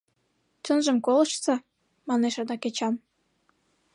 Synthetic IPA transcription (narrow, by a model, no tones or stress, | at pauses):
t͡ɕənʒəmkolə̆ʃsɑ | mɑneʃɑd̪ɑket͡ɕɑm